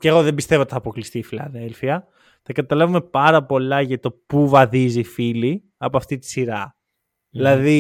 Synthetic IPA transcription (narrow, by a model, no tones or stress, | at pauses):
ceɣo̞ðembist̪e̞vot̪iθɐpo̞klist̪iːfilɐðelfiɐ | t̪ɐkɐt̪ɐlɐvume̞pɐɾɐpo̞lɐʝɐt̪o̞puvɐðizifili | ɐpoɐft̪it̪i̥siɾɐ | ilɐði